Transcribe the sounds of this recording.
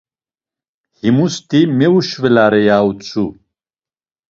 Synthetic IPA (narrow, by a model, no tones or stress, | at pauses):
himust̪imewuɕvelaːɾejaːut͡su